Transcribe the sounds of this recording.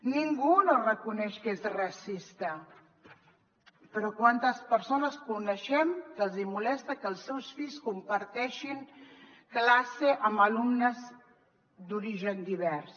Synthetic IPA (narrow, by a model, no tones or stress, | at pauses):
niŋɡunorəkunɛʃkezrəsist̪ə | pəɾɔkwant̪əspəɾsonəskunəʃɛmkəlˠzimulɛst̪əkəːlˠsːɛwsfiʎskumpəɾt̪ɛʃiŋ | klaseʔəmbəlumnəz | d̪uɾiʒənd̪iβ̞ɛrs